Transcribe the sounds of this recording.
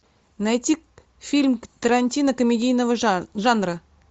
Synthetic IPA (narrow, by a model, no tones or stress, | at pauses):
najt̪ʲik̚ | fʲilʲmt̪əɾanʲtʲinəkomʲedʲijnəvəʒanrə